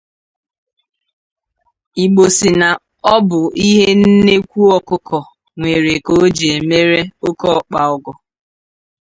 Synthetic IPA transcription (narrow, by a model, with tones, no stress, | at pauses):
i˨ɡ͡bo˨si˨na˨ | ɔ˦bʊ˨i˦ɦe˦n̩˦ne˦kʷu˦ɔ˨kʊ˦kʰɔ˨ | ŋʷe˨ɾe˨ko˨˦d͡ʒe˨e˨me˦ɾe˦o˦kɔ˦k͡pa˨ɔ˨ɡɔ˨